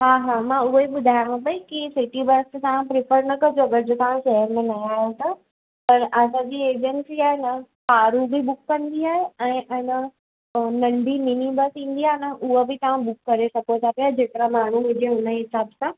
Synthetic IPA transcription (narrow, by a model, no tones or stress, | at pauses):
ɦaːɦaːmãʊɦeɓʊd̪ʱaːj̃bɐikisɪʈibɐɾst̪ããpɾɪfəɾnɐkɐd͡ʑobɐɾd͡ʑʱʊt̪aʋ̤ãʃɐɦəɾmẽnaaːõt̪a | pɐɾɐsãd͡ʑiːeːd͡ʑənsiaːɦenɐpaːɾubɪɓʊkːɐ̃nd̪iaːɦeɛ̃ːʔɐnə | nɐ̃ɳɖʱiminibəsĩːn̆d̪iaːɦenɐʔʊɦebɪt̪ɐʋ̤ãɓʊkːɐɾesɐkot̪ʰapijad͡ʑeːkɪɾamaːɳ̤umɪ̃d͡ʑeɦʊnəɦɪsaːbsãː